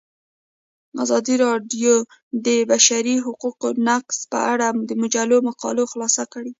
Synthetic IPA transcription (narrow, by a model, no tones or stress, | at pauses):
a̰zɑd̪iɾɑɖjo | d̪əbaʃaɾiɦʊquqonaqspə̰ʔaɽamd̪əmʊd͡ʒalomaqɑ̰loxlɑsakəɽe